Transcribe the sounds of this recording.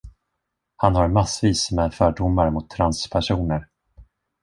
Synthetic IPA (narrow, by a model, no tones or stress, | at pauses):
hanhaɾmasviːsmɛfœːɖʊmːaɾmʊt̪ʰːɾanspʰæʂuːnəɾ